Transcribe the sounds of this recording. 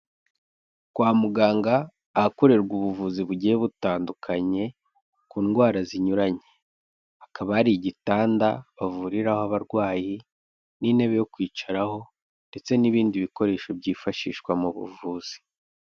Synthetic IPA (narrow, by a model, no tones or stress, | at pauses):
kwaːmuɡaːŋɡaː | hako̞ɾe̞ɾɡuβuvuːziβuɟijeβutaːndukʰaɲe̞ | kuːnɡwaːɾaziɲuɾaɲe̞ | akʰaβaːɾiɟitaːndaβavuɾiɾahoaβaɾɡwaːji | niːne̞βe̞jo̞kwiːt͡ʃaɾaho̞ | nde̞t͡se̞niβiːndiβiko̞ɾe̞ːʃo̞bɟiːfaʃḭːʃkwamuβṵvuːz̥i̥